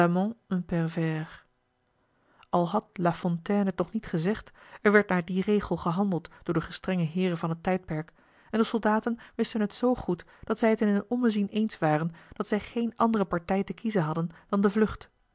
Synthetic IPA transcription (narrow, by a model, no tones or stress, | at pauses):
amɔ̃ə̃pɛrvɛːr | ʔɑlˠɦɑtlafɔ̃ntɛːnətnɔχnitχəzɛχtɛɹʋɛɹt̚naːɹdirejχəlˠχəɦɑndəlˠtd̥ʊːɹdəχəstrɛŋəɦɪːrəvɑnɦətːɛjt̚pɛɹk | ɛndəsɔlˠdaːtənʋɪstənɦətsowχut | d̥ɑtsɛjətɪnənɔməzinejnsʋaːrənd̥ɑtsɛjχejnɑndərəpɑɹtɛjtəkizənɦɑdənd̥ɑndəvlɵχt